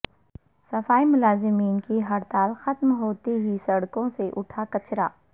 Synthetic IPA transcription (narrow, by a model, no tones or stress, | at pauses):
sɐfaːimʊlaːzɪmiːnkiɦɐɾt̪aːlxɐt̪mɦoːt̪iɦisɐɽkõseʔʊʈʰakɐt͡ʃɾa̰ː